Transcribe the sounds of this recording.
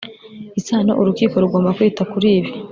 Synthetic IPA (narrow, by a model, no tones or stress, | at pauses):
isaːno̰ʔuɾukiːko̞ɾuɡo̞ːmbakwiːtakuɾiːβjo